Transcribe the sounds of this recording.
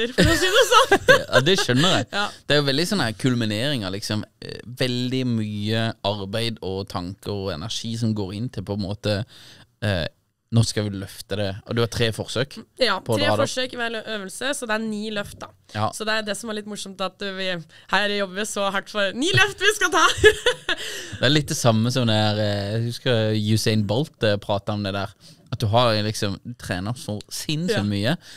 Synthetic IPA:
əɾfɔsiːd̪ɛsɔd̪ɛʃœnːəɾæɪjɑːd̪̥ɛæɾjʊʋɛld̪ɪsɔnːəæɾəkʰʉlmɪneːɾɪŋəɾlɪksɔmʋɛld̪ɪmyːəɑɾbæɪd̪ɔt̪ʰɑŋkəɾɔɛ̰næʂiːs̬ɔmɡoːɾɪnːt̪ʰɪlpʰɔɛnmoːt̪ə | nɔʁskɑʋɪlœft̪əd̪ɛɔd̪ʉhɑt̪ʰɾeːfɔʁsøːkjɑːpʰɔd̪ɾeːɑːdfɔʂøːkɪʋæløʔøːʋəlsəsɔd̪ɛæɾniːlœft̪̚d̪ɑ | ɑsɔd̪ɛæɾjd̪ɛsɔmæɾɭɪt̪ːmʊʂɔmt̪ɑt̪ʋɪ | hæɪd̪ɛjɔbːəʋɪsɔɦɑʈːfɔɾniːlœft̪ʋɪskɑlt̪ʰɑː | d̪ɛæɾlɪt̪̚d̪ɛsɑmːəsɔmd̪ɛæɾd̪ʉskɑjʉsɛɪnbɔlt̪pʰɾɑːt̪əɔmd̪ɛd̪æːɾɑt̪̚d̪ʉɦɑɾlɪksɔmt̪ʰɾeːnəsɔsɪnːsɔmyːə

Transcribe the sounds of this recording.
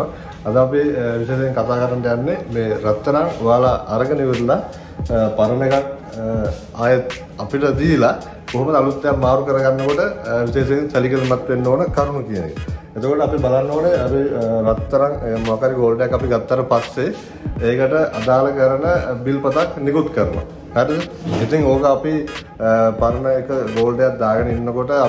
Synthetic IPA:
ɐd̪apiʋiseːsejiŋkat̪aːkəɾanəʈɐjanːemeːɾɐt̪ːɐɾaŋʋaːlaʔːɾəɡəniʋeɾla | paɾənekak | aːjət̪ | apiʈəd̪iːla | koɦuməd̪alut̪ːejammaːɾukəɾəɡanːəkoʈəʋiseːsejinsɐlikəlmat̪ːʋenːoːnəkaɾmukijənḛkə | et̪okoʈəapibalanːoːneapiɾat̪ːɐɾaŋmoakaɾiɡoːlɖejakːɐpiɡat̪ːaɾəpasːe | eːkəʈəʔad̪aːləkəɾənəbilpət̪aknikut̪kəɾnuʋa̰ | mɛʈə | it̪iŋoːkəapi | paɾənəekəɡoːlɖejak̚d̪aːɡənəinːəkoʈə

